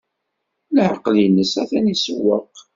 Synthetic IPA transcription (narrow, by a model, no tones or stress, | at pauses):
lħəqːljnːəsæθænisəwːəq